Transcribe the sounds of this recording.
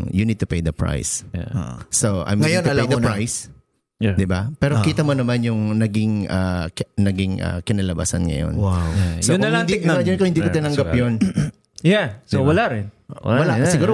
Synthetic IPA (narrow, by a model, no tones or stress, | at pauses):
junid̪̚t̪ʊpejd̪ɐpɹa̰jsʔːoʔa̰jmŋɐjonɐlɐjd̪ɐnɹajs | jd̪ɪbapɛːɾokiːt̪ɐmonɐmanjʊŋnɐɡɪŋɐːnɐɡɪŋɐ̰kɪnɐlɐba̰sɐ̰nŋɐ̰jo̰nwasoʊnɐɪnd̪id͡ʒɐnkohɪnd̪iːkot̪ɪnɐŋɡapjon | jasowɐlaɾɪnwɐlasɪɡuːɾo